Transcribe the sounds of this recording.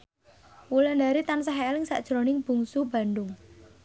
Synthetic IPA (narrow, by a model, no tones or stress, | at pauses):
wuland̪aɾit̪ansaɦelɪŋsa̰ʔd̥ʒ̥ɾonɪŋb̥ṳŋsuba̤ndʊŋ